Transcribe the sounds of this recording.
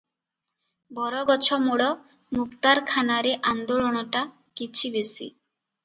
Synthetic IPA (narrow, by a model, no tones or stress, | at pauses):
bɔɾɔɡɔt͡ɕʰɔmuɽɔ | mukt̪aɾkʰanaɾeʔand̪oloɽ̃ɔʈa | kit͡ɕʰibesḭ